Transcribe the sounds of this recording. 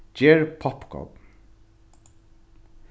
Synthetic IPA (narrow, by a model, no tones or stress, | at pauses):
d͡ʒeːɹpʰɔpkʰɔ̰b